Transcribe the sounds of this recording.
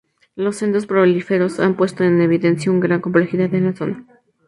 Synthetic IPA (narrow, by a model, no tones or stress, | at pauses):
lo̞sːe̞nt̪ɾo̞spɾo̞lifeɾo̞sampwe̞st̪o̞e̞ne̞β̞iðe̞nsjauŋɡɾaŋko̞mple̞xiðaðenlaso̞na